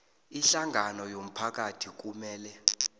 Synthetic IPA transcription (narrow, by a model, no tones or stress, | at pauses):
iɬaŋɡʱanɔjom̩pʰak̬atʰik̬ʼumɛːlɛ